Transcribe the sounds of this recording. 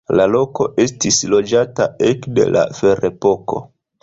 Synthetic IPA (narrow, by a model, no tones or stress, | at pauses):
lalo̞ko̞ʔe̞stislo̞d͡ʒataekde̞̰la̰feɾepo̞ko̞̰